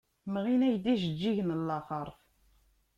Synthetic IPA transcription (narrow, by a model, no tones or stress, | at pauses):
mʁinæjd̪iʒəd͡ʒːiʝnəlːɑχəɾˤf